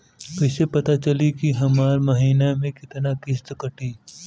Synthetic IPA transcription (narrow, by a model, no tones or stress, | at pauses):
pɛːsepɐt̪at͡ʃɐlikiɦɐmaːɾmɐɦiːnamẽkɪt̪nakɪst̪kɐʈiː